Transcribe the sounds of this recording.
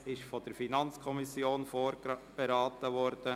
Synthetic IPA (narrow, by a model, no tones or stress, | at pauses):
ɪʃfɔd̪̥əɾfinɑnt͡skʰɔmisjoːnfoɾb̥ɛɾɑːtəʋɔɾd̥ə